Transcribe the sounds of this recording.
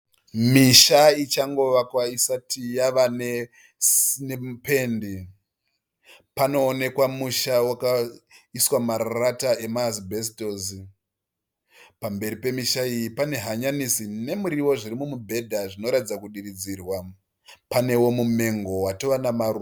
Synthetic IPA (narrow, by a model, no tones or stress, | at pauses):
miʃait͡ʃaŋɡo̞ʋakwaisatijaʋane | snempe̞ndi | pano̞ːne̞kwamuʃawakaiswamarratae̞maːsbʱes̬itoːzi | pambe̞ɾipe̞miʃaijipane̞ɦaɲanisine̞muɾiwo̞ʐiɾimumubʱe̞dʱaʐino̞ɾatid͡zakuɗirid͡zirwa | pane̞wo̞mume̞ŋɡo̞watoʋanamaru